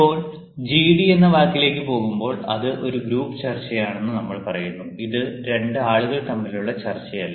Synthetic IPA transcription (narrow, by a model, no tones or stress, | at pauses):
o̞ːɭ | d͡ʑiːɽienːɐʋaːkːile̞ːkʲːɨpo̞ːɣumbo̞ːɭɐ̰ðɨʔo̞ɾuɡɾuːpːɨ̥t͡ɕɐrt͡ɕːɐjaːɳe̞nːɨnɐmːɐɭpɐrɐjunːuiðɨɾe̞ɳɖɨaːɭuɣɐɭt̪ɐmːiluɭːɐt͡ɕɐrt͡ɕːɐjɐlːɐ